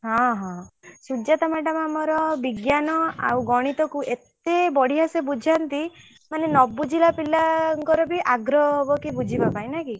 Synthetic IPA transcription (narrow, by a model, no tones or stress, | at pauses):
ɦɔ̃ɦɔ̃sud͡ʒat̪amaʈamamɔɾɔbiɡjanɔa̰wɡɔɽ̃it̪ɔkuʔet̪ebɔɽ̤iɦasebud͡ʒʱant̪i | manenɔbud͡ʒilapilaŋkɔɾɔbiʔaɡɾɔbɔkibud͡ʒʱibapaj̃naki